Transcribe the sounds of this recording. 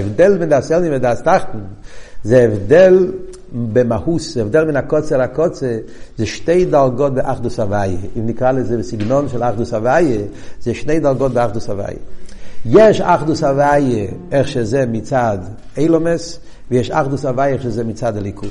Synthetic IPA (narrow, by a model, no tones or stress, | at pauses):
ɛvdɛlˠvɪndasɛlˠnɪnvɛdastaχtn̩zeɛvdɛlˠ | bɪmahuszɛvdɛlˠvɪnakɔt͡sɛlakɔt͡sə | zeʃteɪt̚dalˠɡɔtbɪʔaχdusavajəɪndɪkalˠəzevsɪɡnɔnfɪlˠaχdusavajəzeɪʃneɪtdalˠɡɔt̚bɪaχdusava̰ɪə̰jɛʃaχdusavajəɛχʃəzɛmɪt͡sad | eɪlˠɔməs | vijɛʃa̰χdusavajəɛχʃəzɛmɪtt͡saːdalˠikʰu